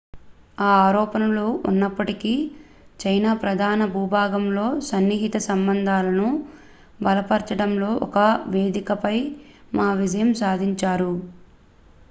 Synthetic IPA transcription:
aːaːɾɔːpɐnɐluunːɐpːɐʈikiː | t͡ʃɐjnaːpɾɐd̪ʱaːnɐbʱuːbʱaːɡɐmlo̞ːsɐnːiɦit̪ɐsɐmbɐnd̪ʱaːlɐnu | bɐlɐpɐɾt͡ʃɐɽɐmlo̞ːʔɔkɐʋe̞ːd̪ikɐpɐj | maːʋid͡ʒɐjɐmsaːd̪ʱiɲt͡ʃaːɾu

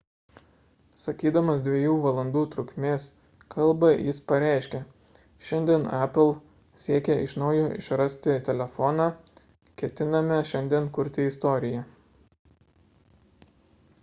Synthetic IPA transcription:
sɐkʲiːd̪ɐmɐsd̪ʲʋʲiɛjuːʋɐlˠɐnd̪uːt̪ɾʊkʲmʲeːs | kʰɐlˠbɐjɪspɐɾʲæˑɪʃʲkʲɛ | ʃʲɛnʲd̪ʲiɛnæpʲɪlˠ | sʲiɛkʲɛɪ̰ʃnɒʊjoːʔɪ̰ʃɾɐsʲt̪ʲɪt̪ʲɛlʲɛfɔnɑː | kʲɛt̪ʲɪnɐmʲɛʃʲɛnʲd̪ʲiɛnkʊɾʲt̪ʲɪɪst̪oːɾʲɪjɛ

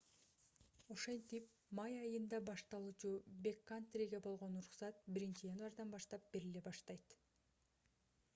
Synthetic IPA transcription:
oʃe̞nt̪ip | mɑjɑjɯnd̪ɑbɑʃt̪ɑlˠuːt͡ʃubʲe̞kːant̪rʲiɡʲebo̞lˠʁo̞nuɾuχsɑt̪̚biɾint͡ʃijanvɑɾd̪ɑnbɑʃt̪ɑp̚b̥e̞ɾile̞bɑʃt̪ɑjt̪

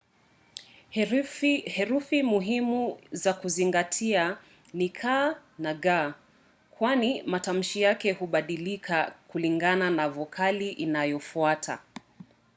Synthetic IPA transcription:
hɛɾufimuɦimuzakuziŋɡatʰia | nikʰanaɠa | kwanimatam̩ʃijakɛhuɓaɗilikʰakuliŋɡananavɔkʰaliʔinajɔfuatʰa̰

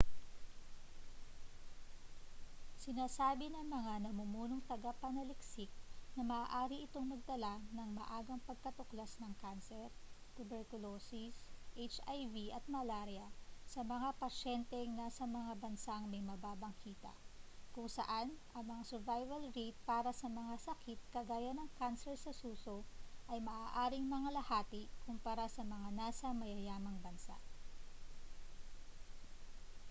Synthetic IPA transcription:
sɪnaːsaːbɪnɐŋmɐŋanɐmʊmuːnoŋt̪ɐɡapɐnɐlɪksɪk̚nɐmɐʔːʔaːɾiʔɪt̪oŋmɐɡ̚t̪ɐlanɐŋmɐ̰ʔaːɡɐŋpɐɡ̚kɐt̪oklasnɐŋkansɛɾt̪ʊbɛɹkʊloːsisʔet͡ʃajviʔɐt̪̚mɐlaɾjɐsɐmɐŋapɐʃɛnt̪ɛŋnasɐmɐŋabɐnsaŋmɐjmɐbaːbɐŋkʰiːt̪ɐ̰ʔkʊŋsɐ̰ʔanʔɐŋmɐŋasɛɹvajvɐlɾet̪̚paːɾɐsɐmɐŋasɐkʰit̪̚kɐɡaːjɐnɐŋkansɛɹsɐsuːsoʔɐjmɐʔaːʔaːɾɪŋmɐŋalɐhaːt̪ɪkʊmpɐɾasɐmɐŋanaːsɐmɐjɐjaːmɐŋbɐnsa̰ʔ

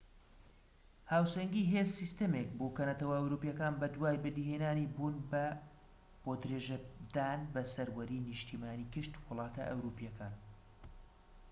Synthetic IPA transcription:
haːwsɐŋɡiɦezsist̪ɐmek̚boːkɐnɐt̪ʰɐwɐɐwɾuːpijɐkaːnbɐd̪waːjbɨd̪iheːnaːnibuːnbɐ | b̥od̪ɨɾeːʒɐd̪aːnbɐsɐɾwɐɾiːnɨʃt̪ʰimaːniːkɨʃt̪wɨlˠɑːt̪ʰɐ̰ʔɐ̰wɾuːpijɐkʰaːn

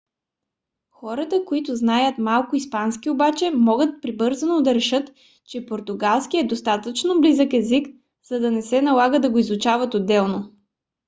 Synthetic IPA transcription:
xɔɾət̪əkoit̪ʊznajət̪malˠkʊispanskʲiobat͡ʃɛmɔɡət̪̚pɾibɤɾzənod̪ɐɾɛʃɤt̪ | t͡ʃɛpoɾt̪ʊɡalˠskiɛd̪ost̪at̪ət͡ʃnoblizəkɛzik | z̥ɐd̪ɐnɛsɛnɐlˠaɡəd̪ɐɡoizʊt͡ʃavət̪od̪ːɛlˠno

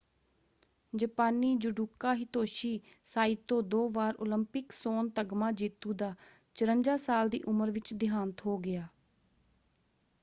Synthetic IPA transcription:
d͡ʒəpaːniːd͡ʒʊɖuːkaːɦɪt̪oːʃiː | saːɪt̪õːd̪oːʋaːɾo̰ːləmpɪksoːnt̪əɡmãːd͡ʒiːt̪uːd̪aː | t͡ʃəɾəɲd͡ʒaːsaːld̪ḭːʔʊməɾʋɪt͡ʃd̪ɪɦaːnt̪ɦoːɡɪjaː

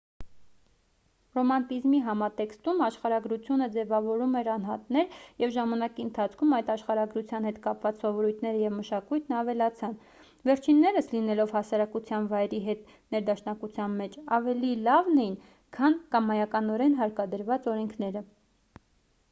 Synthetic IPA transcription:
rɔmɑnt̪izmiɦɑmɑt̪ɛkst̪umɑʃχɑɾɑɡɾut͡sʰjunəd͡zɛvɑvɔɾumɛɾɑn̪ɦɑt̪nɛɾjɛvʒɑmɑnɑkiənt̪ʰɑt͡sʰkʰumɑjt̪ɑʃχɑɾɑɡɾut͡sʰjɑnhɛt̪kɑpvɑt͡ssɔvɔɾujt̪ʰnɛɾəjɛvməʃɑkujt̪ʰnɑvɛlɑt͡sʰɑn | vɛɾt͡ʃʰinːɛɾəslinɛlɔvhɑsɑɾɑkut͡sʰjɑnvɑjɾiɦɛt̪ | nɛɾd̪ɑʃnɑkut͡sʰjɑnmɛt͡ʃʰɑvɛlilɑvnɛjin | kʰɑnkɑmːɑjɑkɑnɔɾɛnɦɑɾkɑd̪əɾvɑt͡sɔɾɛŋkʰnɛɾə

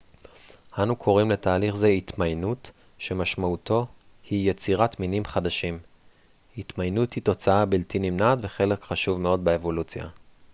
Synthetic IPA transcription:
hanukʰo̞ʁimle̞taːliχzeit̪majnut | ʃe̞maʃmauto̞ | hijet͡siʁatminimχadaʃim | it̪majnuthito̞t͡saabiltinimnatveχe̞le̞kχaʃuvme̞o̞dbeevo̞lut͡sja̰

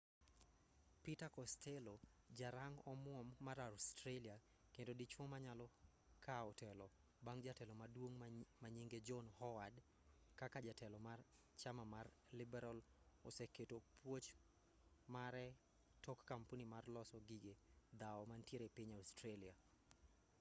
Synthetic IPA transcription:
pitakɔstʰelo | d͡ʒaɾaŋɔmwɔmːaɾastɾelia | kendodit͡ʃwɔmaɲalɔ | kʰaɔtɛlɔ | baŋd͡ʒatɛlɔmadwoŋmaɲiŋɡed͡ʒɔnhɔwad | kakad͡ʒatɛlɔmar | t͡ʃamamar | lɪbɛɾal | o̰seketopwot͡ʃ | maɾɛ | tɔkːampunimarlɔsɔɡiɡed̪aɔmantjeɾepiɲaustɾelia

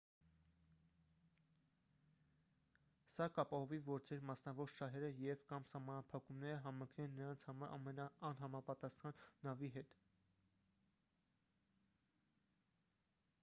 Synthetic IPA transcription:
sɑkɑpɑhɔvivɔɾt͡sʰɛɾmɑsnɑvɔɾʃɑɦɛɾəjɛvkɑmsɑhmɑnɑpʰɑkumnɛɾəɦɑmɑŋkʰnɛnːəɾɑnt͡sʰhɑɑɾmɛnɑːnɦɑmɑpɑt̪ɑsχɑnːɑviɦɛt̪

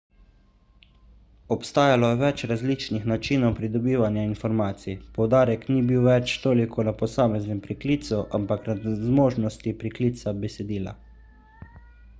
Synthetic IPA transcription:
ɔpst̪aːjalɔjɛʋɛt͡ʃɾazliːt͡ʃnixnat͡ʃiːnɔwpɾid̪ɔbiːʋanjainfɔɾmaːt̪sipɔwd̪aːɾɛknibiwʋɛt͡ʃt̪oːlikʰɔnapɔsaːmɛznɛmpɾikliːt̪suʔampaknazmoːʒnɔst̪ipɾikliːt̪sabɛsɛd̪iːla̰

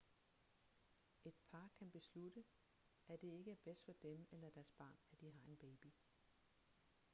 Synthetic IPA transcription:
e̝d̥̚pʰɑ̈ːkʰænb̥e̝slud̥ə | æd̥e̝e̝ɡ̥əæɐb̥esd̥fɒ̽d̥emelɐd̥æɐsb̥ɑ̰̈ːnæd̥iɦɑ̈e̝nb̥ɛːb̥i

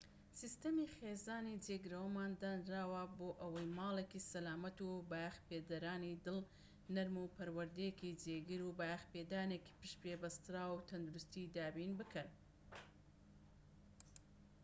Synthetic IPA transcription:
sist̪ɐmixeːzaːnid͡ʒeːɡɨɾɐwɐmaːnd̪anɾaːwɐboːʔɐwɐjmaːlekisɐlaːmɐt̪ubajxped̪ɐɾaːnid̪ɨl | nɐɾmupʰɐɾwɐɾd̪ijekid͡ʒeːɡɨɾubajxpeːd̪aːneːki̥pɨʃpɾebɐst̪ɾaːwt̪ʰɐnd̪uɾust̪id̪aːbinbɨkɨn

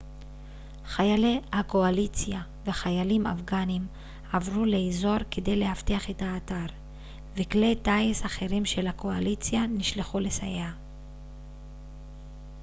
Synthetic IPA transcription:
χajalehako̞alit͡sja | veχajalima̰fɡanim | avʁuleːzo̞ʁkede̞jle̞hafteaχe̞taːtaʁ | veklejtaisaχe̞ʁimʃelhako̞alit͡sjaniʃleχulesajea

